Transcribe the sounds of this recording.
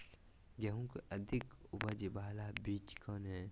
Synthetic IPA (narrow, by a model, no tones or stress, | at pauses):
ɡɐɦũkʔɐd̪ʱɪkʊbəd͡ʒibaːlabiːt͡ʃkɔːnɦɛː